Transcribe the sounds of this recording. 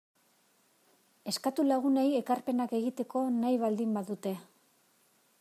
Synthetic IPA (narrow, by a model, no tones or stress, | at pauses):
e̞skat̪ulaɣ̞une̞je̞karpe̞nake̞ɣit̪e̞ko̞najβald̪imbaðut̪e̞